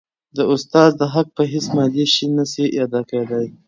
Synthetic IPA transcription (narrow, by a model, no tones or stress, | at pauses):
d̪əʊst̪ɑzd̪əɦak̚pəɦesmɑd̪eʃinəsijɑd̪ɑkeed̪aj